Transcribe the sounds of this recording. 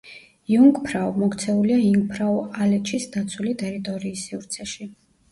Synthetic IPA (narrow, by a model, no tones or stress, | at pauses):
juŋɡpʰɾaumɔkt̪sʰɛuliaiŋɡ̚pʰɾaualɛt͡ʃʰisd̪at̪sʰwulit̪ʼɛɾit̪ʼɔɾiːsːivɾt̪sʰɛʃi